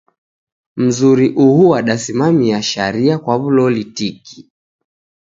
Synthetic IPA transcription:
m̩zuɾiʔuhuwaɗasimamiaʃaɾiakwaβulɔlitiki̥

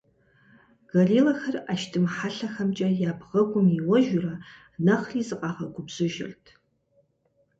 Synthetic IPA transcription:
ɡ̥ɐɮiːlɐxɐraʃtʰɨmħaɬɐxɐmt͡ʃʼɐjaːbʁɐɡʷʊmiwɐʒʊrɐ | nɐχriːzɨqʼɑːʁɐɡʷʊbz̥ɨʒɪ̰rtʰ

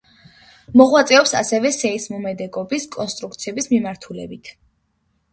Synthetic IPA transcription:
mɔʁwat̪sʼɛɔpsa̰sɛvɛsɛismumɛd̪ɛɡɔbiskʼɔnst̪ʼɾukt̪sʰiɛbismimaɾt̪ʰulɛ̰bit̪ʰ

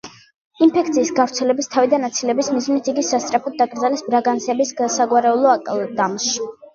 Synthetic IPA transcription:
inpʰɛkʰt̪sʰiːsɡavɾt̪sʰɛlɛbist̪ʰavid̪anːat̪sʰilɛbismizmnit̪ʰiɡisast̪sʼɾapʰɔd̪̚ːaɡʼɾd̪zalɛsbɾaɡansɛbisɡasaɡwaɾɛulˠɔakʼlˠd̪amʃ

